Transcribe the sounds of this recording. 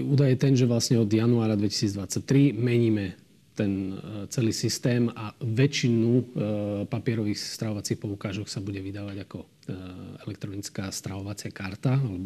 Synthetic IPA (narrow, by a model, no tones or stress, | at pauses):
uːd̪ajɛt̪ɛnʒɛʋlasɲɛɔd̪januaːɾad̪ʋɛci̥siːd͡zd̪ʋat͡sac̚t̪ɾimɛɲiːmɛ | t̪ɛnt͡sɛliːsist̪ɛːmaʋɛt͡ʃinu | papɪɛɾɔʋiːxst̪ɾaɦɔʋat͡siːxpɔukaːʒɔksabuɟɛʋid̪aːʋaɟakɔ | ɛlɛkt̪ɾɔnit͡skaːst̪ɾaɦɔʋat͡sɪakaɾt̪aalɛbɔ